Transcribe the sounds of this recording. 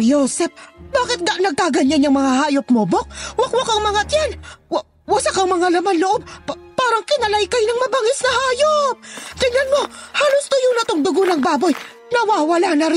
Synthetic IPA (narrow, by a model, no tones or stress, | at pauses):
joːsɛp̚baːkɪt̪̚ɡɐnɐɡ̚kaɡɐɲːanjɐŋmɐŋahaːjop̚mobok̚wɐkwɐkɐŋmɐŋat̪jɛn | wɐsakɐŋmɐŋalɐmanloʔob̚paːɾɐŋkɪnɐlajkajnɐŋmɐbaŋɪsnɐhaːjop̚ɡ̥ɐɲanmo̞haːlʊst̪ʊjʊnɐt̪oŋd̪ʊɡonɐŋbaːboj | nɐwaːwɐlanɐɾɪ